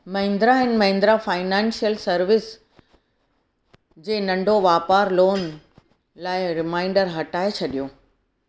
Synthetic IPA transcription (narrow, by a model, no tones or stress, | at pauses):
mɐɦɪ̃nd̪ɾaɦɪnɪ̆mɐ̃ɦɪ̃nd̪ɾafaːɪnɛːnsijəlsɐɾʋɪs | d͡ʑeːnɐ̃ɳɖʱoʋaːpaːɾloːn | laːɪɾɪmaːɪ̃ɳɖəɾɦɐʈaːet͡ɕʰɐɗijoː